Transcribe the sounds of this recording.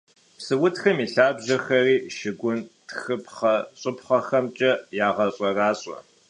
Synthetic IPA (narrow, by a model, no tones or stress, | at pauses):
psɨwʊtxɐmiːɬaːbʑɐxɐriːʃɪɡʷʊntxɨpʰχɐɕʼʊpχɐxɐmt͡ʃʼɐjaːʁɐɕʼɐraːɕʼɔ̰